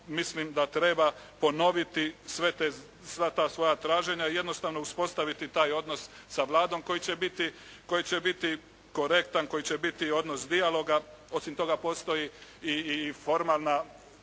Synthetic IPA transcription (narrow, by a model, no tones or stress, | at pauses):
mislimd̪at̪ɾe̞ːbapo̞no̞ʋit̪isʋe̞t̪e | sʋat̪aːsʋo̞jat̪ɾaːʒe̞ɲaije̞d̪no̞st̪aʋnouspo̞st̪aʋit̪it̪aːjo̞d̪no̞sːaʋlˠaːd̪o̞mko̞jit͡ɕe̞bit̪i | ko̞jit͡ɕe̞bit̪i | ko̞ɾe̞kt̪anko̞jit͡ɕe̞bit̪io̞d̪no̞sd̪ialˠo̞ɡao̞simt̪o̞ɡapo̞ːst̪o̞jiifo̞ɾmaːlˠna